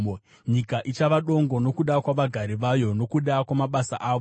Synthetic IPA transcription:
ɲikaʔit͡ʃaʋaɗo̞ŋɡo̞no̞kuɗakwaʋaɡʱaɾiʋajo̞no̞kuɗakwamaɓasa̰ʔaːʋo

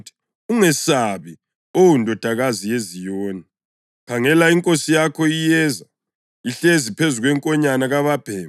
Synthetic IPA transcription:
tʰi̥ | uŋɛsaβi | owundʱɔd̥ʱaɣazijezijoːni | pʰaŋɛlaiŋkʼosijakʰɔijɛza | iɬezipʰezuɣwɛŋkʼɔɲanaɣaβab̥ʱɛː

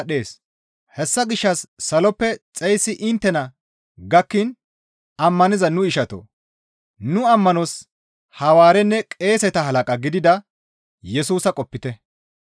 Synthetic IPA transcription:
ɐɗe̞ːs | hɛsːɐɡɪʃːɐsːɐlɔpːɛt͡sʼɛjsːɪʔɪnt̪ːɛnɐ | ɡɐkːɪn | ɐmːɐnɪzɐnʊɪʃɐt̪ɔ̰ | nʊɐmːɐnɔs | hɐwaːɾɛnːɛkʼe̞ːsɛt̪ɐɦɐlɐkʼɐɡɪd̪ɪd̪ɐ | jɛsuːsɐkʼɔpːɪt̪ɛ

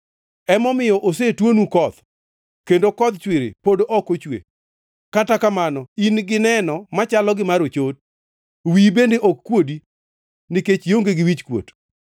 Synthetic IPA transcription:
ɛmɔmɪjɔʔosetwonukɔt̪ | kendokɔd̪t͡ʃwɪɾɪ̰podoʔɔkot͡ʃwḛ | katakamanɔinɡɪnɛnɔmat͡ʃalɔɡɪmaɾot͡ʃot̚ | wibendeʔokːwodi | nɪket͡ʃjoŋɡeɡɪwit͡ʃkwo̰t

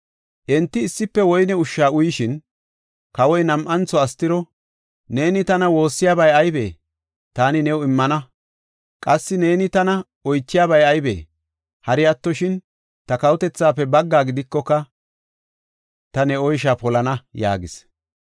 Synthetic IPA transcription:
ʔɛnt̪ːɪːsːɪpːɛwɔjnɛʊʃːaːʊjɪʃɪn | kɐwɔjnɐmʔɐnt͡sɔɐst̪ːɪɾɔ | ne̞ːnɪt̪ɐnɐwo̞ːsːɪjaːbɐjɐjbe̞̰ː | t̪aːnɪnɛwɪmːɐnɐ | kʼɐsːɪne̞ːnɪt̪ɐnɐ | ɔjt͡ʃːɪjaːβɐjɐjbḛː | hɐɾɪjɐt̪ːɔʃɪn | t̪ɐkɐwʊt̪ɛt͡sːaːpːɛbɐɡːaːɡɪd̪ɪkːɔkːɐ | t̪ɐnɛɔjʃ̬aːpɔlɐnɐja̰ːɡɪs

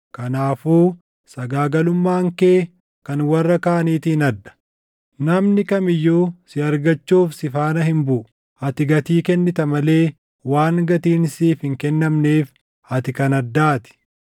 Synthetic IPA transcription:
kɐnaːfuː | sɐɡaːɡɐlʊmːaːŋkeː | kɐnwɐrːɐkaːɐniːt̪ɪhɪnɐd̪ːɐ̥ | nɐmnɪkɐmɪjːoːsɪɐɾɡɐt͡ʃːuːfsɪfaːnɐhɪmbʊʔʊ | ɐt̪ɪɡɐt̪iːkɛnːɪt̪ɐmɐle̞ː | waːŋɡɐt̪iːnsiːfhɪŋkɛnːɐmneːf | ɐt̪ɪkɐnɐd̪ːaːt̪ɪ̥

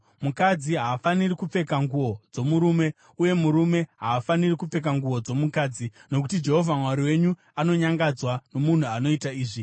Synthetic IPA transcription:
mukad͡ziɦaːfanirikup͡fe̞kaŋɡuwo̞d͡zo̞muɾuːme̞ | uje̞muɾume̞ɦaːfanirikup͡fe̞k̬aŋɡuwo̞d͡zo̞mukaːd͡zino̞k̬u̥tid͡ʒe̞ɦo̞vʱamwaɾiwe̞ɲu | ano̞ɲaŋɡad͡zwano̞mun̤uano̞itaiːʐi

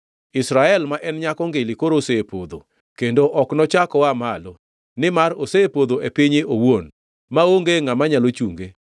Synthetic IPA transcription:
ɪsɾaɛlmaʔɛnɲakɔŋɡelikoɾosepod̪o̰ | kendoʔɔknɔt͡ʃakɔamalo | nɪmaɾosepod̪oʔepiɲeʔowon | maoŋɡeŋamaɲalot͡ʃuŋɡe

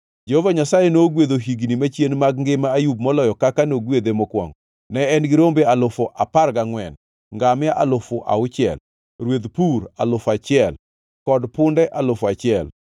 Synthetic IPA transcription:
d͡ʒehovaɲasajenoɡwed̪oɦiɡnimat͡ʃjenmaɡ̚ŋɡɪmaːjub̚mɔlɔjɔkakanoɡwed̪emɔkwa̰ŋɔ | nɛɛnɡɪɾombealʊfoʔaparɡaŋwɛn | ŋɡamɪaʔalʊfʊʔa̰ʊt͡ʃɪɛ̰l | ɾwed̪puɾalʊfat͡ʃɪɛl | kɔdpʊndɛʔalʊfat͡ʃɪɛl

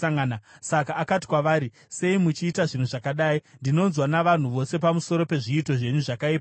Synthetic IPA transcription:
aŋanasakaːkati̥kwaʋaːɾi | se̞imut͡ʃiːtaʐin̤uʐakaɗaːindino̞nzwanaʋan̤uʋo̞se̞p̬amuso̞ɾo̞pe̞ʐiːto̞ʐe̞ɲuʐakaiːpa

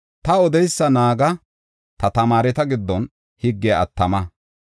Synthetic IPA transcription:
t̪ɐɔd̪ɛjsːɐnaːɡɐ | t̪ɐt̪ɐmaːɾɛt̪ɐɡɪd̪ːɔn | hɪɡːɛɐ̰t̪ːɐmɐ

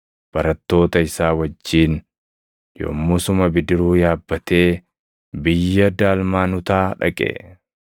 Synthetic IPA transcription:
b̥ɐɾɐt̪ːo̞ːt̪ɐɪsaːwɐd͡ʒːiːn | jo̰ːmːʊsʊmɐbɪd̪ɪɾuːjaːbːɐt̪e̞ː | bɪjːɐd̪aːlmaːnʊt̪aːᶑɐ̰kʼḛ

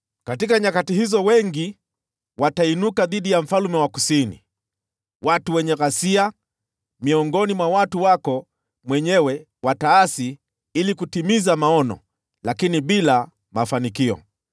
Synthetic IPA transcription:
katikaɲakatihizɔwɛŋɡi | watainukaðiɗijam̩falumɛwakusinḭ | watuwɛɲɛɣasia | miɔŋɡɔnimwawatuwakɔ | mwɛɲɛwɛ | wataasi | ilikutimizamaɔnɔ̰ | lakiniɓila | mafanikiɔ̰

